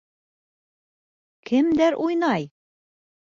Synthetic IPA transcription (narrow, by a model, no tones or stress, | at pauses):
kʰɘmd̪æɾʔujnɑj